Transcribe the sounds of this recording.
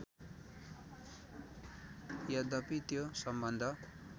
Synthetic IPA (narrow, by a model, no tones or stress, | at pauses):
jʌd̪ʌpit̪josʌmbʌnd̪ʱʌ